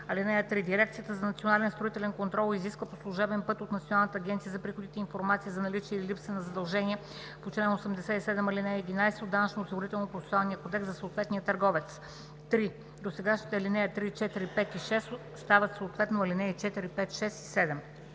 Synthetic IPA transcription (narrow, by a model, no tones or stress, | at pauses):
ɐlinɛjət̪ɾid̪iɾɛkt̪sijət̪əzɐnɐt̪sionalɛnst̪ɾoʊit̪ɛlɛnkont̪ɾɔlˠiziskvəposlˠuʒɛbɛnpɤt̪ot̪nt̪sʲionalˠnət̪əːɡʲɛnt̪sijəzɐpɾixod̪it̪ɛinfoɾmat̪sizɐnɐlit͡ʃiɛililipsvɛnɐzɐd̪ɐlˠʒɛniɛ | pot͡ʃlɛnosɛmd̪ɛsɛisɛd̪ɛmɐlinɛɛd̪inajsɛod̪ːanət͡ʃnoːsiɡoɾit̪ɛlˠnopɾofɛsualˠnijəkod̪ɛksɐsoːt̪vɛt̪nijət̪ɐɾɡɔvɛt̪s | t̪ɾi | d̪osɛɡaʃni̥t̪ɛɐlinɛjət̪ɾit͡ʃɛt̪iɾipɛt̪iʃɛs | st̪avət̪soot̪vɛt̪noɐlinɛɛt͡ʃɛt̪iɾipɛt̪ʃɛsi̥sɛd̪ɛm